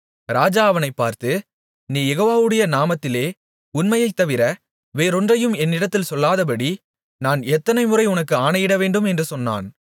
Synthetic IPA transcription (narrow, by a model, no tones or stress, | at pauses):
ɾaːd͡ʒaːɐʋɐnɐɪpːaːɾt̪ɯ | niːjɛɣoːʋaːʋɯɽɐjɐnaːmɐt̪ːɪleː | ʊnmɐjɐɪt̪ːɐʋɪɾɐ | ʋeːɾɔndrɐjɯmɛnːɪɽɐt̪ːɪlsɔlːaːðɐp̬ɐɽi | naːnɛt̪ːɐnɐɪmʊrɐɪʊnɐkːɯaːnɐjɪɽɐʋeːɳɖɯmɛndrɯsɔnːa̰ːn